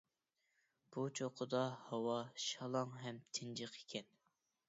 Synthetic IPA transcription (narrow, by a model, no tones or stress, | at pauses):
b̥ut͡ʃʰoqʰʊd̪ɑhɑwɑʃɑlˠɑŋɦɛmt̪ʰɪnd͡ʒɨqe̥kʲʰɛn